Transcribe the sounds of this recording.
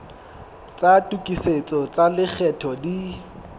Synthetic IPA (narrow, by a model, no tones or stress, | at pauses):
t͡sʼatʼukʼiset͡sʼɔt͡salɪk͡xʰɛtʰɔdi